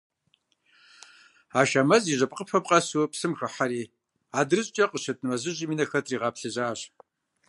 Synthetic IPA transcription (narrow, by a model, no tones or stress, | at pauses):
aːʃɐmɐziːʑɐpqəpʰɐp̚qʼɐsupsɨmxɨħaɾiː | aːdɨrɨɕʼt͡ʃʼɐqʼəʃɐtʰʼnɨmɐʑɨʑimiːnɐxɐtʰʼriːʁɑːpɬɨʑaːɕ